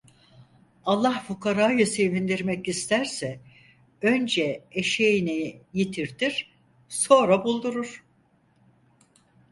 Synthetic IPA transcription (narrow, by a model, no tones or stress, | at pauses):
alˠːahfukʰaɾaːjɯse̞vind̪iɾmɛcist̪ʰæɾsɛ | ø̞nd͡ʒɛeʃejinɛjit̪ʰiɾd̪iɾ̥ | so̞nɾabulˠd̪uɾuɾ̥